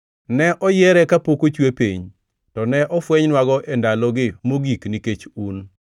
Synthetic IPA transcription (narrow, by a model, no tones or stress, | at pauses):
nɛʔɔjɛɾɛkapokot͡ʃwepḭɲ | tɔnɛʔɔfwɛɲnwaɡɔʔɛndalɔɡɪmoɡikniket͡ʃun